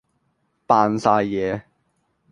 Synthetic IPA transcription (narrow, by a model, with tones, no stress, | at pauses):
paː˨˧nsaː˧jjɛː˨˧